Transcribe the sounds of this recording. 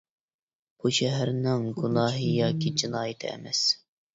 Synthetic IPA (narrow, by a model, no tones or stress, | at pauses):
b̥uʃɛɦæɾnɪŋɡunɑːɦɨjɑːkʲid͡ʒinɑːjɪt̪ʰɪɛ̰mɛs